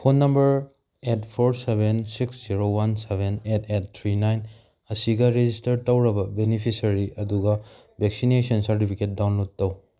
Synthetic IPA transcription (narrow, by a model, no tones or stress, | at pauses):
pʰonːɐmbɐɾ | etpʰoɾsebʱensiksziɾowansebʱenetet̚t̪ʰɾinajn | ɐsiɡɐɾed͡ʒistɐɾtɐwɾɐbɐbenipʰisɐɾiʔɐduɡɐ | bʱeksinesɐnsɐɾt̬ipʰiket̚dawnlod̚tɐw